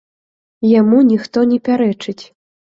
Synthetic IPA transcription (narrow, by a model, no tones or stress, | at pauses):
jamunʲixt̪ɔnʲɛpʲaɾɛt͡ʂɨt͡sʲ